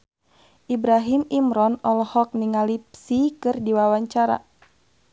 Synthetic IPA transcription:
ʔibɾaɦimimɾɔnɔlɔhɔk̚niŋalipsikɨrdiwawaɲt͡ʃaɾa̰

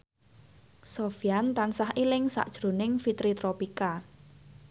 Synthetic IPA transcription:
sofiant̪ansahʔilɪŋsa̰ʔd̥ʒ̥ɾo̤nɪŋfit̪ɾit̪ɾɔpika

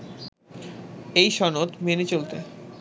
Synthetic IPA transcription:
ejʃɔnot̪menet͡ɕolt̪e

